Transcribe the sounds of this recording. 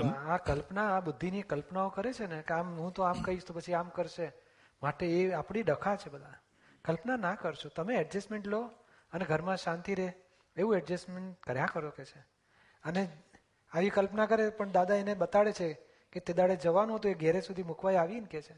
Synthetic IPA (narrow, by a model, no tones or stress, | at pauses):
akəlpnaːbud̪ʱːinikəlpnaokəɾet͡ʃʰenekeamɦũt̪oamkəɦiʃt̪opət͡ʃʰiamkəɾʃe | maʈeeapɽ̃iɖəkʰat͡ʃʰebəd̪ʱa | kəlpnanakəɾʃʰot̪əmeɛɖd͡ʒəsmeɳʈlo | əneɡʱəɾmãʃãnt̪iɾeɦ | eʋũɛɖd͡ʒəsmeɳʈ̚kəɾjãkəɾoket͡ʃʰe | əne | aʋikəlpnakəɾepəɳd̪ad̪aeneɓət̪aɭet͡ʃʰe | ket̪ed̪aɽed͡ʒəʋanuɦot̪oeɡɛɾesud̪ʱimukʰʋajaʋinket͡ʃʰe